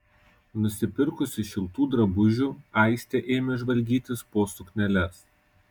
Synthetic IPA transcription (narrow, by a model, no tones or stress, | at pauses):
nʊsʲɪpʲɪɾkʊsʲɪʃʲɪlˠt̪uːd̪ɾɐbʊʒʲuːˑæˑɪsʲt̪ʲeʔeːmʲeʒʋɐlʲɡʲiːt̪ʲɪspoːsʊknʲɛlʲɛs